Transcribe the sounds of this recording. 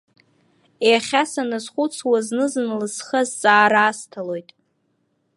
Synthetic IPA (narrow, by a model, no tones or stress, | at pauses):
eaχʲasanazχʷut͡sʰwaznɨzɨnlɨsχazt͡sʼaːɾaːstʰalo̞jtʼ